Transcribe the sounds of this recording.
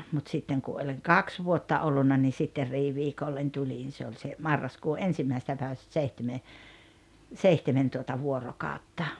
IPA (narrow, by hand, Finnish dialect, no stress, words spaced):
mut sitːeŋ ku olʲiŋ kɑks ʋuotːɑ olːunːɑ ni sitːer riːʋiːkolːen tulʲin se olʲ se mɑrːɑskuː ʔensimːæisĕstæ pæiʋæstæ̆ seihteme seihtemen tuotɑ ʋuorokɑˑotːɑ